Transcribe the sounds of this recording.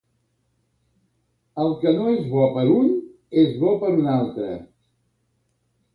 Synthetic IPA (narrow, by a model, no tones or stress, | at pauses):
əlˠkənoezβɔpəɾuɲ | ezβɔpəɾunalˠt̪ɾə̰